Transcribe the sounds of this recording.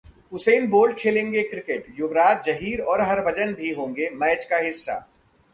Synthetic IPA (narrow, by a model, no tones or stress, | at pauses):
ʊseːnboːlɖ̚kʰeːlẽːŋɡekɾɪkeʈjʊʋɾaːt̪̚d͡ʒɐɦiːɾɔːɾɦɐɾʋɐd͡ʒənbʱiɦõːŋɡemɛːt͡ʃkaɦɪsːa̰ː